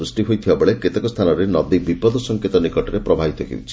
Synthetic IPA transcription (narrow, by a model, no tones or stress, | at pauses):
usʈiɦojt̪ʰibabeɭeket̪ekɔst̪ʰanɔɾenɔd̪ibipɔd̪ɔsɔŋket̪ɔnikɔʈɔɾepɾɔbʱabit̪ɔɦʰḭwt͡ʃʰi̥